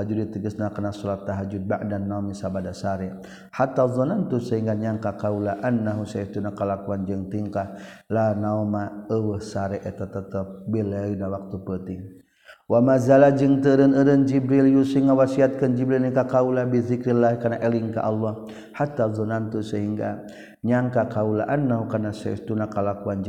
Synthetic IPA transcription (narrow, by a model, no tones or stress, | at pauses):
ad͡ʒudit̪əɡəsnakənasɔɾat̪ːaɦad͡ʒud̚ba̰ʔdanːaumisabadasaɾɛ | hat̪ːazˤɔnant̪usaɦiŋɡaɲaŋkakaulaʔanːaɦusait̪unakəlakuand͡ʒəŋt̪iŋkalanaumaəwəhsaɾɛʔɛt̪at̪ət̪əp̚bilɛidawak̚t̪upət̪ɪŋ | wamazalad͡ʒɨŋt̪əɾənəɾənd͡ʒibɾiljusiŋawasiat̪̚kənd͡ʒibɾilnikakaulabizikɾilaɦkanaʔɛliŋka̰ʔalːɔ | hat̪ːazɔnant̪usəɦiŋɡa̰ | ɲaŋkakaula̰ʔanːaɦukarnasaə̰st̪unakalakuand͡ʒ